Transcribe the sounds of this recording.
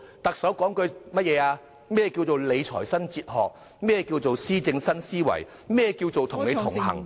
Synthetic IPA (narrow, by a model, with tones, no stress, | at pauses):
t̪ɐ˨k̚sɐ˨˥wkɔː˨˥ŋkɵ˨˧ɥmɐ˥jɛː˨˧aː˧ | mɛː˥˩ɛ˨˧ki˧wt͡so˨wle˨˧jt͡sʰɔ̰ː˨˩jsɐ˥nt͡siː˧t̚ɦɔ̰ː˨k̚ | mɛː˥˩ɛ˨˧kiː˧wt͡so˨wsiː˥t͡sɪ˧ŋsɐ˥nsiː˥wɐ̰˨˩j | mɛː˥ɛ˨˧kiː˧wt͡so˨wt̪ʰʊ˨˩ŋne˨˧t̪ʰʊ˨˩ŋhɐ̰˨˩ŋ